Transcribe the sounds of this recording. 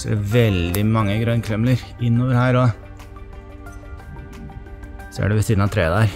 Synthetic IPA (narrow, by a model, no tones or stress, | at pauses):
sɛʋɛld̪ɪmɑŋːəɡɾœnkʰɾɛmləɾɪnːoːʋəɾhæːɾɔ | sɔæ̰ɖɛʋɛɪsiːd̪nɑt̪ʰɾḛːd̪æːɾ